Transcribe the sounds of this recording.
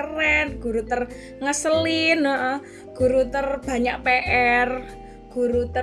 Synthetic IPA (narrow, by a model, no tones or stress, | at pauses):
ərɛnɡ̥uɾut̪ər | ŋəsəlinɔʔɔ | ɡ̥uɾut̪ərb̥a̤ɲaʔpeʔɛr | ɡ̥uɾut̪ə